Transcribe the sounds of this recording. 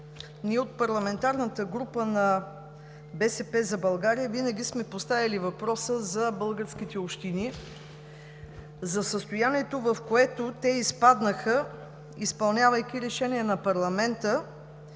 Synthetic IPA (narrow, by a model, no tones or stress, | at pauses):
niɛot̪̚pɐɾlˠɐmɛnt̪aɾnət̪əɡɾupənɐ | bɛsɛpɛzɐbɐlˠɡaɾiəvinəɡʲismɛpost̪avʲɐlivɐpɾɔsəzɐbɤlˠɡəɾsk̟it̪ɛopʃt̪ini | zɐsəst̪ojaniɛt̪ovəfkoɛt̪ot̪ɛispad̪nəxə | ispɐlˠnʲavəjk̟ʲiɾɛʃɛniɛnɐpɐɾlˠɐmɛnt̪ə